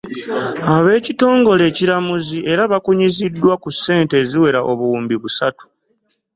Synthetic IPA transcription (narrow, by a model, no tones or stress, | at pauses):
aβe̞ːcito̞ːŋɡo̞le̞ːciɾamuziʔe̞ɾaβakuɲizidːwakusːe̞ːnte̞ːziwe̞ɾaʔoβuwuːmbiβusatu̥